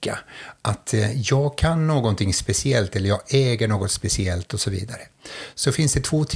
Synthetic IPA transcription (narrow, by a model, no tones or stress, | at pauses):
kːaʔat̪jɑːɡkʰanːoːɡɔnt̪ʰɪŋːspɛsɪɛlt̪ɛlːəɾjɑːɡɛːɡəɳoːɡɔt̪spɛsɪɛlt̪ɔsɔvḭːd̪aɾəsɔfɪnsd̪ɛt̪ʰvoːt̪ʰ